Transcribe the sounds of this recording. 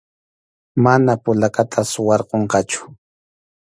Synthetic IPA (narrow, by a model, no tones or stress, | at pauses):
manapʊlakat̪ʰaswɑɾqoɴqɑt͡ʃʊ̥